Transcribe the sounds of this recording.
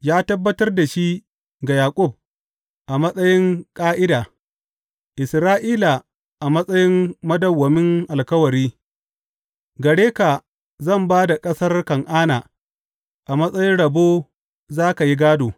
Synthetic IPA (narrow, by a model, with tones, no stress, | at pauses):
jaː˦tɐ˦bːɐ˦tɐ˦rda˨ʃi˦ | ɡa˨jaː˨kʷʼʊ˦˨b̚ | ʔa˨mɐ˦sʼɐ˦jɪ˦ŋkʼaː˦ʔɪ˦daː˨ | ʔɪ˨sɾaː˦ʔiː˦la˨ | ʔa˨mɐ˦sʼɐ˦jɪ˦mːɐ˦dɐ˨wːɐ˨mɪ˦ŋʔa˨lkɐ˦wɐ˨ɾiː˦ | ɡɐ˨ɽeː˦ka˨ | zɐ˦˨mbaː˦da˨kʼɐ˦sɐ˦rkɐ˨ŋʔaː˦naː˨ | ʔa˨mɐ˦sʼɐ˦jɪ˦nɽɐ˨boː˦ | zaː˦ka˨ji˦ɡaː˦doː˨